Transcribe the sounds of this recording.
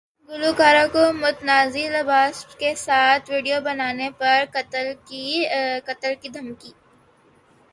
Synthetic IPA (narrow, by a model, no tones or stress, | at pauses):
ɡʊlukaːɾãkomʊt̪naːzilɐbaːskesaːt̪ʰʋiːɖijobɐnaːnepɐɾkɐt̪l | kɐt̪əlkid̪ʱɐmkiː